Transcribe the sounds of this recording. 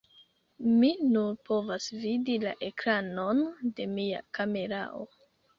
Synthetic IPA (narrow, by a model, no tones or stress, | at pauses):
minuɾpʰo̞vasvidila̰ʔe̞kɾano̞nde̞mia̰kame̞ɾa̰o̰